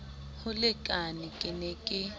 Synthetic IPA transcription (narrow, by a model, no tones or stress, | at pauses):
hʊlɪkʼanɪkʼɪnɛkʼɪ